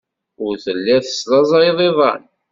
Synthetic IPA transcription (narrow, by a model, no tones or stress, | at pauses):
ʊɾθəlːæθə̥szɑzˤɑjðˤeðˤɑ̰n